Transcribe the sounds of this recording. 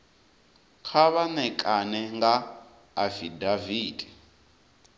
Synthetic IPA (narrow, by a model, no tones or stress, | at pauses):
kʰaβanɛkʼanɛŋɡaː | fidaviːdɛ